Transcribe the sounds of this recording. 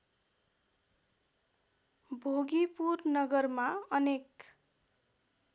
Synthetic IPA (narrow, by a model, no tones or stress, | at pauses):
bʱoɡipurnʌɡʌrmaʌnek